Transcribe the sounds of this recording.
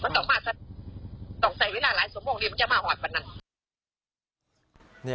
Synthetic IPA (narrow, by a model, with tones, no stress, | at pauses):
ma˧˨nt̪ɔ˨˩˦maː˧˩sʰa˧˥˩ | sɔ˨˩ŋsa˨˩jweː˧˥laː˧laː˨˦jsu˨˩˦moː˧˩ŋdiː˧a˧˥˦t͡ɕa˧˩wmaː˧˩hɔː˨˩wa˨nːa˧˥n